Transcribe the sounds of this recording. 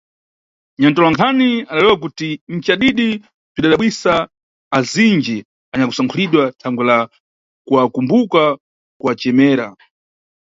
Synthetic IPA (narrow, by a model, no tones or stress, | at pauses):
ɲantɔlwaŋkʰaniaɗalɛwak̬utim̩t͡ʃaɗiɗi | piɗaɗaɓwisaː | zind͡ʒɛ | aɲakusaŋkʰuliɗwatʰaŋɡwɛla | kuakumbuka | kuat͡ʃɛmɛːɾa̰